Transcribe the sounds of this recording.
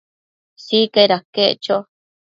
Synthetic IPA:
sikeɾakeʔt͡ʃo

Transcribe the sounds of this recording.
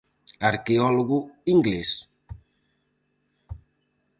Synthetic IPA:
aɾkeɔloɣuiŋɡles

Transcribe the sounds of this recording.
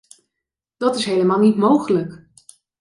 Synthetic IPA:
d̥ɑtɪsɦejləmaːlˠnitmowχələk

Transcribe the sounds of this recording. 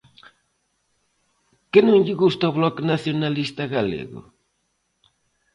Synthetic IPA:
kenõŋʎɪɣust̪aoβlɔknaθjonalist̪aɣalḛɣʊ̰

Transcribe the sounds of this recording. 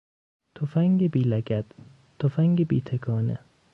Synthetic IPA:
t̪ʰofæŋɡebiːlæɡæd̪̥ | t̪ʰːofæŋɡebḭːt̪ʰekʰɒːnḛ

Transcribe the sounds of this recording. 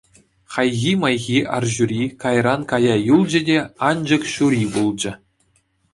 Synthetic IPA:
χɑjɣʲimɑjɣʲiʔɑ̰rʑuɾʲikɑjrɑnkɑjɑjulˠd͡ʑɘ̆dʲeɑnd͡ʑɤ̆kɕuɾʲibulˠd͡ʑɘ̆

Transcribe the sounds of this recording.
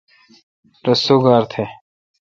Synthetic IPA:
ɾɐsoːɡaːɾt̪ʰe

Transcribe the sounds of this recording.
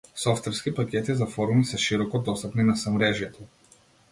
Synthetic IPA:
sɔft̪vɛɾskipakʲɛt̪izafɔɾumisɛʃiɾɔkɔd̪ɔst̪apninasamɾɛʒjɛt̪ɔ

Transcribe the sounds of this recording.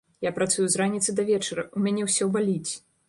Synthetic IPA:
japɾat̪sujuzɾanʲit̪sɨd̪ɐvʲɛt͡ʂɐɾɐumʲanʲɛwsʲɔwbalʲit͡sʲ

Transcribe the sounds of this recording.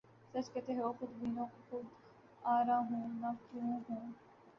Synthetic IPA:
sɐt͡ʃkɛt̪eɦoːxʊd̪biːnõːkoxʊd̪ | aːɾaːɦũːnakjũːɦũː

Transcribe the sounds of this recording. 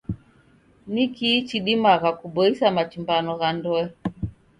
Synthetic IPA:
nikit͡ʃiɗimaɣakuɓɔisamat͡ʃimbanɔɣandɔɛ

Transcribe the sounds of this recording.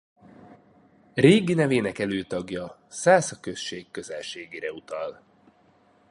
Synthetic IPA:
reːɡinɛveːnɛkɛløːt̪ɒɡjɒsaːsɒkø̞sʃeːkːø̞zɛlʃeːɡeːɾɛut̪ɒl

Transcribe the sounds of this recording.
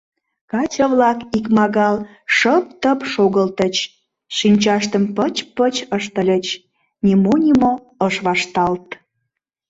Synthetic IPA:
kɑt͡ɕəvlɑkikmɑɣɑl | ʃəp̚t̪əpʃoɣəlt̪ət͡ɕ | ʃinʲt͡ɕɑʃt̪əmpət͡ɕpət͡ɕəʃt̪əlʲət͡ɕ | nʲimonʲimo | əʃβɑʃt̪ɑlt̪

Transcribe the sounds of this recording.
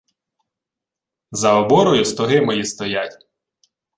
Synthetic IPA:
zɐɔbɔɾɔjʊst̪ɔɦɪmɔjist̪ɔjatʲ

